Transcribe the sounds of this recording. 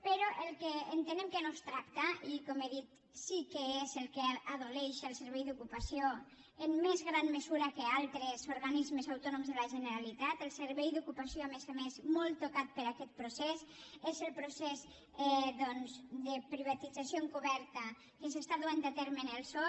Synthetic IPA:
peɾɔʔəlˠkeːnt̪enemkənost̪ɾakt̪aikomeðit̪ | sikəezəlˠkeaðoleʃəlˠsəɾβɛjðukupasio | əmːezɣɾanməzuɾakəalˠt̪ɾezuɾɣanizmezawt̪ɔnumzðelaʒənəɾalit̪at̪elˠseɾβɛjðukupasioamezamezmɔlˠt̪okat̪̚pəɾakɛt̪̚pɾusɛsezəlˠpɾusɛz | ɛd̪ɔnzd̪əpɾiβ̞at̪id͡zasjoeŋkuβɛɾt̪ə | kəsest̪aðuand̪ət̪ɛɾmənəlˠsɔ

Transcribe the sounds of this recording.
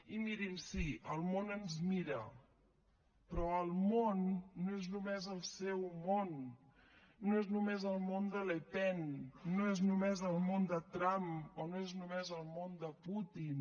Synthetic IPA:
imiɾimsiʔəlˠmonənzmiɾə̰ | pɾɔəlˠmonːoeznumezəlˠsɛwmonː | oeznumezəlˠmond̪əlepɛnːoeznumezəlˠmond̪ət̪ɾamonoeznumezəlˠmond̪əput̪in

